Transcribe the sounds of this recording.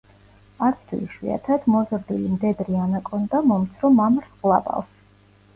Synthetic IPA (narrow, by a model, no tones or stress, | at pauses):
at̪ʰd̪ʰwḭliʃwḭa̰t̪ʰad̪mɔzɾd̪ilimd̪ɛd̪ɾianakʼɔnd̪amɔmt̪sʰɾɔmamɾsqlˠa̰bʼa̰ls